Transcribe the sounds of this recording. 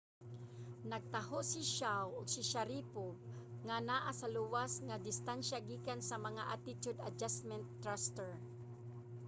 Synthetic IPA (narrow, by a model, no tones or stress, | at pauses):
naɡ̚t̪ahoʔsiʃawʊɡsɪʃaɾipʊbŋanaʔasaluwasŋad̪ɪst̪anʃaɡiːkansamaŋaʔat̪ɪt͡ʃ̪ʊd̪a̰d͡ʒasmɛnt̪ːɾast̪ɛɹ